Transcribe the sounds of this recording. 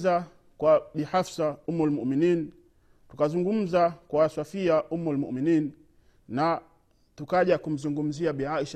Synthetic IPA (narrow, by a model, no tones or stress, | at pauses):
za | kwaɓihafsaumulmuʔminiːn | tukazuŋɡum̩zakwaːsafiaʔumulmṵʔminiːn | na | tukaʄakum̩zuŋɡum̩ziaɓiaʃ